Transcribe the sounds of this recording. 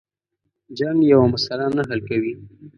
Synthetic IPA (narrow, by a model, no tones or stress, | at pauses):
d͡ʒɑŋjawamʊsalanaɦalkawi